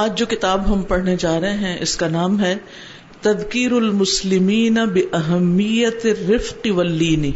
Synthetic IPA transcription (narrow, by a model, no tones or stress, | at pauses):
aːd͡ʒd͡ʒoːkɪt̪aːbɦɐmpɐɽ̤ned͡ʒaːɾɐɦẽɦɛ̃ʔɪskanaːmɦɛ | t̪ɐd̪kiːɾʊlmʊslɪmiːnɐbɪʔɐɦɛmːijɐt̪ɪrːɪfqɪʋɐlːiːni